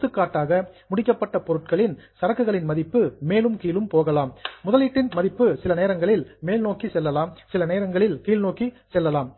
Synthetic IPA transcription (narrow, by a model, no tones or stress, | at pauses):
t̪ːɯkːaːʈːaːɣɐmʊɽɪkːɐpːɐʈːɐpɔɾɯʈ̚kɐɭɪnsɐɾɐkːɯɣɐɭɪnmɐðɪpːɯmeːlɯmkiːlɯmpoːɣɐlaːmːʊðɐliːʈːɪnmɐðɪpːɯsɪlɐneːɾɐŋɡɐɭɪlmeːlnoːkːisɛlːɐlaːmsɪlɐneːɾɐŋɡɐɭɪlkiːlnoːki | sɛlːɐlaːm